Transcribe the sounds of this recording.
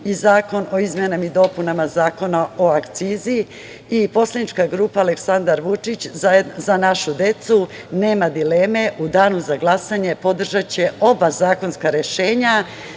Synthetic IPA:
izaːko̞no̞izmjenamid̪o̞punamazaːko̞nao̞akt̪siːzi | ipo̞slˠad̪nit͡ʃkaɡɾuːpaːle̞ksand̪aɾʋut͡ʃit͡ɕzanaʃud̪e̞t̪su | ne̞ːmad̪ile̞ːme̞ʔud̪aːnuzaɡlˠasaɲe̞po̞d̪r̩ʒat͡ɕe̞o̞bazaːko̞nskaɾe̞ʃe̞ːɲa

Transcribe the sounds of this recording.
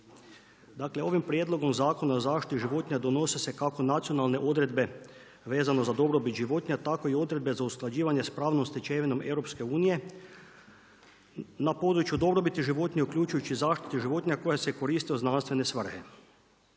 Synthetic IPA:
d̪aːkle̞o̞ʋimpɾʲje̞d̪lˠo̞ɡo̞mzaːko̞naozaːʃt̪i̥t̪iʒiʋo̞t̪ɲad̪o̞no̞sese̞kako̞nat̪sio̞nalˠne̞ʔo̞d̪ɾe̞d̪be̞ | ʋe̞ːzano̞zad̪o̞bɾobit̪ʒiʋo̞t̪ɲat̪ako̞io̞d̪ɾe̞d̪be̞zausklˠad͡ʑiːʋaɲe̞spɾaːʋnomst̪it͡ʃeʋino̞me̞wɾo̞pske̞uːnije̞ | napo̞d̪ɾut͡ʃjud̪o̞bɾo̞bit̪iʒiʋo̞t̪ɲʲeukʎʲuːt͡ʃujut͡ʃizaːʃt̪i̥t̪iʒiʋo̞t̪ɲako̞jaseko̞ɾiːst̪ioznanst̪ʋe̞nesʋr̩he

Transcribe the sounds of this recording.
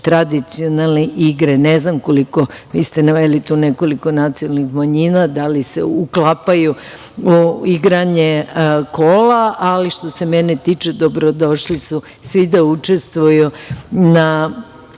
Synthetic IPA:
t̪ɾad̪it̪sionalˠneʔiɡɾeneznamko̞liko̞ʋiːst̪e̞naʋelit̪uːneko̞likonat̪sionalnixmaɲinad̪alisḛuklapaju | uiɡɾaɲekoːlaaliʃt̪o̞se̞menet̪iːt͡ʃed̪obɾo̞d̪o̞ʃlisu | sʋid̪aut͡ʃest̪ʋujuna

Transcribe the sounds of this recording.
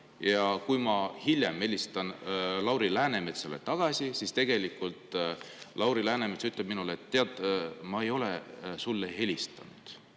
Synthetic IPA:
jɑkujmɑhilʲjeme̞lʲist̪ɑnlɑwɾilæːne̞me̞t̪sḛlḛt̪ɑɡ̥ɑsisist̪e̞ɡ̥e̞likːˑult̪lɑwɾilæːne̞met̪syt̪lɑb̥̚minulet̪ːeɑt̪ːˑmɑe̞jo̞lesulːeɦe̞lʲist̪ɑ̰nud̪̥

